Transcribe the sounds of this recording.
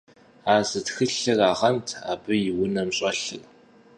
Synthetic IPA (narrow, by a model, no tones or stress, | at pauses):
aːzɨtxɨɬɨraːʁɐntʰa̰ːbɨjɪwʊnɐmɕʼɐɬɨ̰r